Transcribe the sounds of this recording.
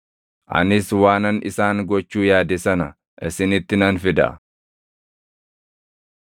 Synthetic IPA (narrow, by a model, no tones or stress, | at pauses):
ʔɐ̰nɪswaːnɐnɪ̰saːŋɡɔt͡ʃːuːjaːd̪ɪsɐnɐ | ʔɪsɪnɪt̪ːɪnɐnfɪd̪ɐ̰